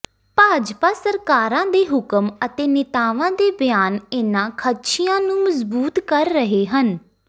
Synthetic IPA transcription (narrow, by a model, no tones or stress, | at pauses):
paːd͡ʒpaːsəɾkaːɾãːd̪eːɦʊkəmət̪eːnɪt̪aːʋãːd̪eːbjaːnɪnãːkʰəʃʰijãːnũːməzbuːt̪kəɾːəɦeːɦən